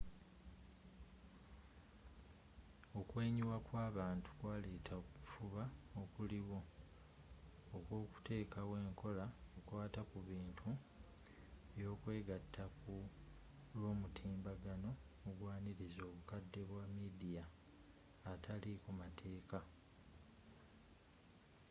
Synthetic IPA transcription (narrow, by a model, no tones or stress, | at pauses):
okwe̞ːɲuwakwaːβaːntu̥kwaːle̞ːtʰakufuβaokuliβo̞ | okwo̞ːku̥te̞ːkawe̞ːŋko̞laokwaːtakuβiːntʰu | jo̞ːkwe̞ːɡatʰːaku | lo̞ːmutʰiːmbaɡano̞muɡwaːniɾizo̞ːβukadːe̞βwamidijaː | tʰalikumatʰe̞ːka